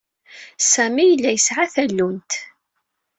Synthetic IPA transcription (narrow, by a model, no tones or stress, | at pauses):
sæmijəlːæjəsʕaθælːunt̪